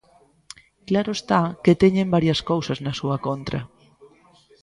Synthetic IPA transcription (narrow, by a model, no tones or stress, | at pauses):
klaɾoest̪aket̪eɲẽmbaɾjɐskowsɐznɐsuɐkont̪ɾɐ̰